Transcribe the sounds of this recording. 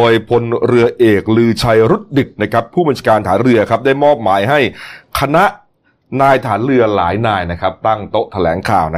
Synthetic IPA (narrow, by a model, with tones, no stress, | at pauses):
oː˧jpʰo˧nɾɯ˧ɐʔeː˨˩k̚lɯː˧t͡ɕʰa˧jɾu˦˥t̪̚dɯ˨˩k̚na˦˥kʰɾa˦˥pʰːuː˥˩ba˧nt͡ɕaː˧kaː˧nt̪ʰaː˩˦nɾɯ˧ɐkʰa˦˥p̚daː˥˩jmɔː˥˩p̚maː˩˦jɦa˥˩jkʰa˧na˦˥ʔ | naː˧jt̪ʰaː˩˦nɾɯ˧ɐlaː˩˦jnaː˧jna˦˥kʰa˦˥p̚t̪a˥˩ŋt̪o˦˥ʔt̪ʰa˧lɛ̰ː˩˦ŋkʰa̰ː˨˩wna˦˥